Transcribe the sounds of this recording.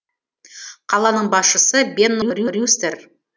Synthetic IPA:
qʰɑlˠɑnəɴbɑsʃəsəbʲe̞nːojrjurjust̪eɾ

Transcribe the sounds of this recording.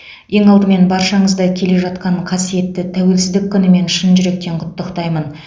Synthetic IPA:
je̞ŋɑlˠd̪əme̞nbɑɾʃɑɴəzd̪ɑkʲʰe̞le̞ʒɑt̪̚qɑɴqʰɑsije̞t̪ːɪt̪ʰæwe̞lsɪzd̪ɪkʲʰːʏnɪme̞nʃənʒʏɾe̞k̚t̪e̞ɴqʰʊt̪ːəqt̪ɑjmən

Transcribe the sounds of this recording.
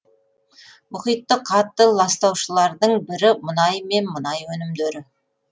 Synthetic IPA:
mʊχijt̪ːəqʰɑt̪ːəlˠɑst̪ɑwʃəlˠɑɾd̪əɴbɪɾɪmənɑjme̞nmənɑjwɵnɪmd̪eɾɪ

